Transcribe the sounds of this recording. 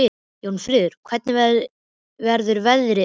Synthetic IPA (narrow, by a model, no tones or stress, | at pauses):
ɪ | jownfɾɪːðʏɾ̥kʰvɛt̪nɪvɛ | vɛɾðʏɾvɛðɾɪ